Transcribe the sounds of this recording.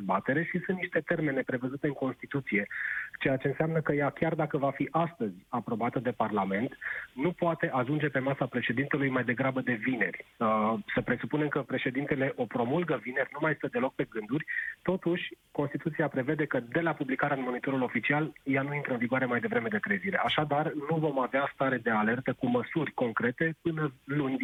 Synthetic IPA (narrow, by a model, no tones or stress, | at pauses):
zbat̪e̞ɾe̞ʃisunt̪niʃt̪e̞t̪e̞rme̞ne̞pɾe̞vəzut̪e̞ɨŋko̞nst̪it̪ut̪sije̞t͡ʃe̞jat͡ʃe̞ɨnseamnəkəjakʲard̪akəvafiʔast̪əzʲapɾo̞bat̪əd̪e̞parlame̞nt̪nupoat̪e̞ʔaʒund͡ʒe̞pe̞masapɾe̞ʃe̞d̪int̪e̞lujmajd̪e̞ɡɾabəd̪e̞vine̞rʲsəpɾe̞supune̞mkəpɾe̞ʃe̞d̪int̪e̞le̞ʔo̞pɾo̞mulɡəvine̞rʲnumajst̪əd̪e̞lo̞k̚pe̞ɡɨnd̪urʲt̪o̞t̪uʃʲkonst̪it̪ut̪siapɾe̞ve̞d̪e̞kəd̪e̞lapublikaɾeaɨnmo̞nit̪o̞ɾulo̞fit͡ʃialjanuint̪ɾəɨnviɡwaɾe̞majd̪e̞vɾe̞me̞d̪e̞k̪ɾe̞ziɾe̞ʔaʃad̪arnuvo̞maveast̪aɾe̞d̪e̞ale̞rt̪əkuməsurʲko̞ŋkɾe̞t̪e̞pɨnəlunʲ